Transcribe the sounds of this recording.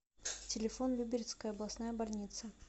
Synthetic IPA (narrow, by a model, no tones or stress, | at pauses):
tʲɪlʲɪfo̞nlʲubʲɪɾʲɪt̪skəjəɐblˠɐsnajəbɐlʲnʲit̪sə